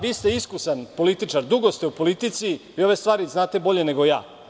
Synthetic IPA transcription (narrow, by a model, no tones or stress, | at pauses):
ʋiːst̪e̞iskusanpo̞lit̪it͡ʃaɾd̪uɡo̞st̪eupo̞lit̪it̪siio̞ʋe̞st̪ʋaːɾiznaːt̪e̞bo̞ʎe̞ne̞ɡo̞ja̰ː